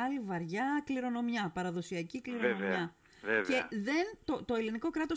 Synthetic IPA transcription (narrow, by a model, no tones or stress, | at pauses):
ɐlivɐɾʝɐkliɾo̞no̞mjɐpɐɾɐðo̞siɐcikliɾonomɐ | eceðe̞nt̪o̞t̪o̞e̞liniko̞kɾɐt̪o̞s